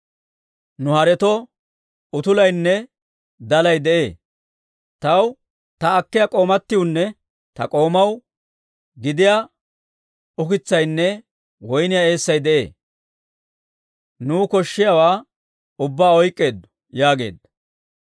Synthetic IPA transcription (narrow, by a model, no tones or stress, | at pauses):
nʊhɐɾɛt̪ɔ | ʊt̪ʊlɐjnːɛ | d̪ɐlɐjd̪ɛʔe̞ː | t̪ɐw | t̪ɐːkːɪjakʼo̞ːmɐt̪ːɪjʊnːɛ | t̪ɐkʼo̞ːmɐw | ɡɪd̪ɪja | ʊkɪt͡sːɐjnːɛ | wɔjnɪjae̞ːsːɐjd̪ɛʔe̞̰ː | nuːkɔʃːɪjawaː | ʊbːaːɔjkʼːe̞ːd̪ːʊ̥ | jaːɡe̞̰ːd̪